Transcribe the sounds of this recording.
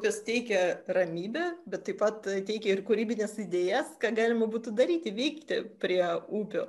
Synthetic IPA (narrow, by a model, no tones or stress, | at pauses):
upʲost̪ʲɛɪkʲɛrɐmʲiːbʲɛbʲɛt̪ːɐɪpɐt̪t̪ʲɛɪkʲɛɪrkʊɾʲiːbʲɪnʲɛsɪd̪ʲeːjɛskɑːɡɑːlʲɪmɐbuːt̪ʊd̪ɐɾʲiːt̪ʲɪʋʲɛɪkt̪ʲɪpʲɾʲiɛuːpʲoː